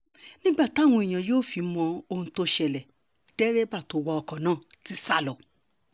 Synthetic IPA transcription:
nĩ˦ɡ͡ba˦˨ta˦˨w̃ɔ̃˧i˨j̃ã˨joː˦˨fi˨˧˦mɔ̃˧o˧hũ˧to˦ʃɛ˧lɛ˨ | d̥ɛ˦ɾɛ˦ba˦˨to˨˦wɔ˧ɔ˧kɔ̃˨nãː˦˨ti˦sa˦˨lɔ˨

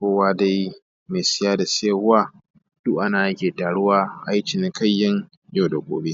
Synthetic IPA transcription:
kʷoː˦waː˦da˦j | meː˨sɪ˦jaː˦da˨seː˦hʊ˦waː˦ | d̥ʊ˦ʔʔa˦naː˨ɾɐ˦kʲeː˨taː˨ɽʊ˦waː˦ʔa˦jt͡ʃɪ˨n˦kɐ˦˨jːɐ˦ŋ | jo˦˨da˨kʷʼo̰ː˨beː˦

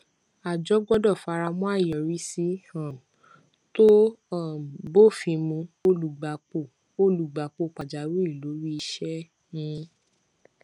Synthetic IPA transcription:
a˨d͡ʒɔ˦ɡ͡bɔ˦dɔ˦˨fa˧ɾa˧mɔ̃˦a˦˨jɔ˨ɾi˦si˦hã˦˨ | to˦ɔ˦˨bo˦˨fĩ˧mũ˧o˦lu˨ɡ͡ba˨k͡po˨ | o˦˨lu˨ɡ͡ba˨k͡po˧˨k͡pa˨d͡ʒa˨ɾu˦i˦˨lo˨˦ɾi˦i˧ʃɛ˦ | nĩ˨˧˦

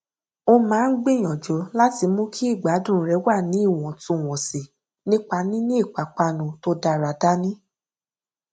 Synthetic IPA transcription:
o˧mãː˨˦n̩˦ɡ͡bĩ˦˨j̃ɔ̃˨d͡ʒɔ˨˦la˦ti˧mũ˦kʰi˦i˦˨ɡ͡ba˨˦dũ˦ɾ̃ɾɛ˨˦wa˦˨nĩ˨˦i˦˨w̃ɔ̃˨tũ˨˧˨w̃ɔ̃˨si˨ | nĩ˦k͡pa˧˦nĩ˦nĩ˦i˦˨k͡pa˨k͡pa˧nũ˨˧to˧da˧ɾa˨da˦nĩ˦

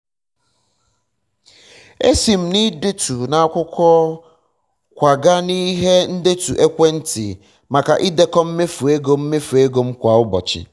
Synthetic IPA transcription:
e˦si˨m̩˨ni˦de˦tu˨nã˨a˨kʷʊ˦kʰɔː˦ | kʷa˨ɡa˦ni˦ɦe˦n̩˦de˦tu˨ʔe˦kʷe˦n̩˦tʰɪ̰˨ | ma˨ka˨ʔɪ˦de˦kɔ˦m̩˦me˦fu˨e˦ɡo˦m̩˦me˦fu˨e˦ɡo˦m̩˦kʷa˨ʊ˦bɔ˨t͡ʃɪ̰˨

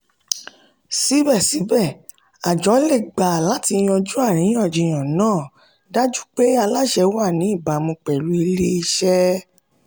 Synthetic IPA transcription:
si˨˦bɛ˦˨si˨˦bɛ˦˨ | a˨d͡ʒɔ˨˦le˦˨ɡ͡ba˨la˨˦ti˧j̃ɔ̃˧d͡ʒu˦a˦˨ɾ̃ĩ˨˦ɔ̃˦˨d͡ʒĩ˧˨j̃ɔ̃˨nãː˦˨ | da˦d͡ʒu˦k͡pe˦a˧la˦ʃɛ˧wa˦˨nĩ˨˦i˦˨ba˨mũ˧k͡pɛ˨ɾu˨˦i˧le˦i˧ʃɛ˦

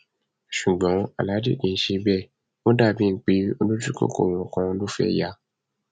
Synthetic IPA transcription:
ʃu˨ɡ͡bɔ̃˨˦a̰˨la˨˦dḛ˦˨dĩ˨n̩˦ʃe˧bɛ˦˨ | wõ˦da˦˨bĩ˦˧˨k͡pe˨˦o˧nũ˦d͡ʒu˦ko̰˦˨ko̰˦˨w̃ɔ̃˨kã˧lo˦fɛ̰˦˨ja˧˦

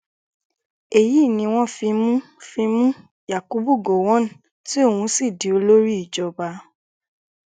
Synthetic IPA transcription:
e˨ji˨˦˨nĩ˧w̃ɔ̃˦fi˧mũ˦ | fi˧mũ˦ | ja˨ku˨˦bu˦˨ɡo˨w̃ɔ̃˨˦n̩˨ | ti˦o˦˨hũ˧si˦˨di˨˦o˧lo˦ɾi˦i˦˨d͡ʒɔ˧ba˧˦

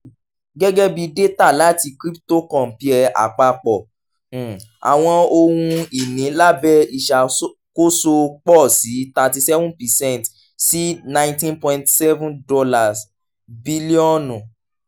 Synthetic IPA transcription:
ɡɛ˦ɡɛ˦bi˧de˦ta˦˨la˨˦ti˧kɾi˦pto˦˨kɔ̃˦˨pi˦ɛ˧a̰˨k͡pa˧k͡pɔ̃˨ | a̰˨w̃ɔ̃˧o˧wũ˧i˨nĩ˨˦la˦bɛ˦i˨ʃa˨ | ko˦so˧k͡pɔ˦˨si˨˦ta˧ti˧sɛ˦vũ˦pɛ˨sɛ̃˦˨t | si˦nã˦ĩ˦ntĩ˦npɔ̃˧ĩ˦ntsɛ˦vũ˦dɔ˧la˦˨s | bi˦li˦ɔ̃˦nũ˨

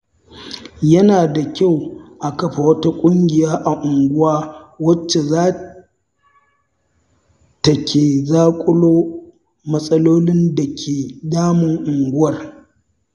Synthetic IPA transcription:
jɐ˦naː˨da˨kʲa˦˨wʔa˨kɐ˦ɸa˨wɐ˦ta˦kʷʼʊ˦ŋɡʲɪ˨jaː˦ʔa˨ʔʊ˨ŋɡʷʊ˦waː˦wɐ˦t͡ʃːe˨zaː˦ | ta˨kʲeː˨zaː˦kʷʼʊ˦loː˦ | mɐ˦sʼɐ˦loː˦lɪ˦nda˨kʲʰeː˨daː˦mʊ˨ŋʔʊ˨ŋɡʷʊ˦wɐ˨r

